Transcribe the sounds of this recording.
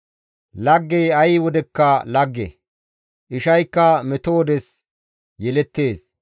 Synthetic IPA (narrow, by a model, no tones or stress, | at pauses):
lɐɡːɛjɐjwɔd̪ɛkːɐlɐɡːɛ̰ | ʔɪʃɐjkːɐmɛt̪oːd̪ɛs | jɛlɛt̪ːe̞ːs